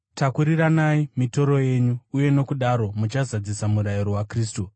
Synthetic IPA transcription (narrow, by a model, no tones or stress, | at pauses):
takuɾiɾanaimito̞ɾo̞je̞ɲuːje̞no̞kuɗaɾo̞mut͡ʃazad͡zisamuɾajiɾowakriːstu